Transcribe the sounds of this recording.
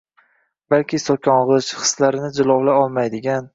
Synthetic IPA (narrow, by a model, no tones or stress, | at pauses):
balkʲʰɪsokʲʰɒɴʁɨʃχɨ̥slaɾɪnɪd͡ʒɪlˠɒwlaɒlˠmajd̪ɪɡʲan